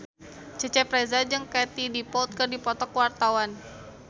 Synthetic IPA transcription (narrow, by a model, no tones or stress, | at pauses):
t͡ʃət͡ʃɛpɾezad͡ʒɨŋkat̪idipɔlt̪̚kɨrdipɔt̪ɔkwart̪awan